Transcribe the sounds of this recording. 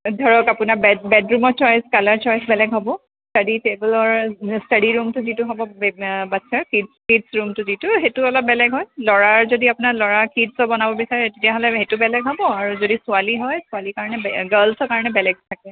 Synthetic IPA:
dʱɔɹɔkapʊnaɹbɛbɛdɹumɔɹt͡ʃɔjskalaɹt͡ʃɔjsbɛlɛɡɦɔbɔ | staditebɛlɔɹstadiɹumtʊzitʊɦɔbɔbatsʰaɹkidskidsɹumtʊzitʊɦetʊɔlɔp̚bɛlɛɡɦɔjlɔɹaɹzodiapʊnaɹlɔɹakidsɔbɔnabɔbisaɹɛtetijaɦɔlɛɦetʊbɛlɛɡɦɔbɔaɹuzodisʊaliɦɔjsʊalikaɹɔnɛɡəlsɔɹkaɹɔnɛbɛlɛɡ̚tʰakɛ

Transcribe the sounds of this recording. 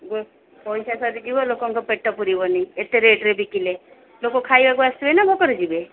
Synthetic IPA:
ɡo | pɔjsasɔɾid͡ʒibɔlokɔŋkɔpeʈːɔpuɾibɔniet̪eɾeʈɾebikile | lokɔkʰajbaɡɔast̪ubenabɔkɔɾid͡ʒibe

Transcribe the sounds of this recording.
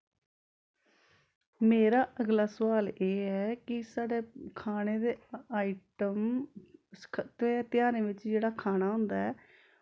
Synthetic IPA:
meːɾaːʔəɡlaːsəʋaːleːɛːkɪsaːɖeːkʰaːneːd̪eːaːiʈəm | kʰt̪eːt̪ɪjaːɾẽːʋɪt͡ʃd͡ʒeːɽaːkʰaːnaːɦʊ̃ːnd̪aɛː

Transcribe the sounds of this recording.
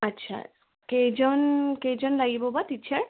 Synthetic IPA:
atːʃʰa̰ | kejd͡ʒɔnkejd͡ʒɔnlaɡibɔbatitːʃʰaɹ

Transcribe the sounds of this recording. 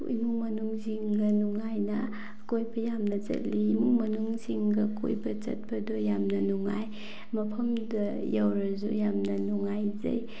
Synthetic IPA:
ḭmuŋmɐnuŋziŋɡɐnuŋajnɐ | kojbɐjamnɐzɐ̰tliːmuŋmɐnuŋsiŋɡɐko̰jbɐt͡ʃɐ̰t̚bɐdɔjamnɐnuŋaj | mɐpʰɐmdɐ | jawɾɐzṵjamnɐnuŋajzɐ̰j

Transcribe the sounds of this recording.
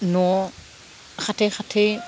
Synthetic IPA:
no | xatexatʰe

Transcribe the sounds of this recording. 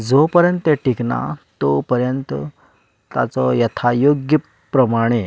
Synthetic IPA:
d͡zopəɾjənt̪eʈikna̰t̪opəɾjənt̪ə | t̪a̰t͡sɔjɐt̪ʰajoɡjə | pːɾəmaɽ̃e

